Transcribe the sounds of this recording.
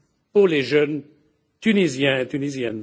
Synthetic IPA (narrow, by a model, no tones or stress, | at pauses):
puʁleʒœn | t̪ynizjɛ̃et̪ynizjɛn